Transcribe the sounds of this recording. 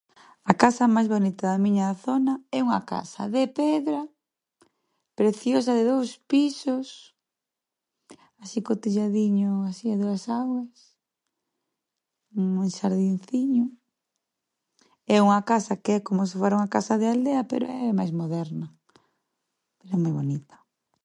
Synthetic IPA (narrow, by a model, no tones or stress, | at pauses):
ɐkasɐmajzβonit̪ɐðɐmĩɲaθonɐɛuŋa̰ka̰sɐ̰ðepɛðɾa | pɾeθjos̬ɐðɪðowspisos | asikot̪iʎaðiɲʊasiaðuɐsaɣɐs | uŋʃaɾðinθiɲʊ | ɛuŋɐkasɐkeɛkomʊsefoɾauŋakasaðɪald̪eɐpḛɾo̰ɛɛmajzmoðɛɾnɐ | peɾɛmojβonit̪ɐ̥